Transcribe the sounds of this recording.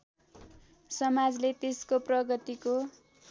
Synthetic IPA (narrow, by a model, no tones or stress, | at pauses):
sʌmad͡zlet̪eskoprʌɡʌt̪iko